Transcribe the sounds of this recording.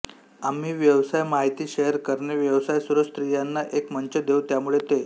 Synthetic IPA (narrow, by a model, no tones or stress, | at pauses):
am̤iːʋjəʋsajmaɦit̪iːɕeɦəɾkəɾneʋjəʋsajsuɾəst̪ɾijanːaʔekməɲt͡ɕəd̪eut̪jamuɭet̪e